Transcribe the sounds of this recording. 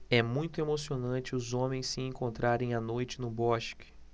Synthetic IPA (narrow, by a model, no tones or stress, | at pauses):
ɛmũj̃t̪ʊemosionɐ̃t͡ʃɪʊzõmẽj̃sːɪẽkõnt̪ɾʔaɾẽj̃anojt͡ʃɪnʊbɔʃkɪ̥